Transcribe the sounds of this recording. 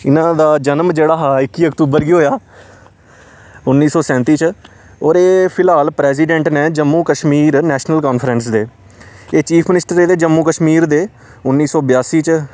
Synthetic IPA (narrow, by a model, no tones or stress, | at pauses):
ɪnãːd̪aːd͡ʒənəmd͡ʒeːɽaːɦaːɪkːiːəkt̪uːbəɾɡiːɦoːjaː | ʊnːiːsɔːsɛ̃ːnt̪iːt͡ʃ | ɔːɾeːpʰɪlaːlpɾɛːziːɖɛ̃ːɳʈneːd͡ʒəmːũːkəʃmiːɾnɛːʃnəlkɔːnfʰɾənsd̪eː | eːt͡ʃiːpʰmɪnɪsʈəɾeːd̪eːd͡ʒəmːũːkəʃmiːɾd̪eː | ʊnːiːsɔːbɪjaːsiːt͡ʃ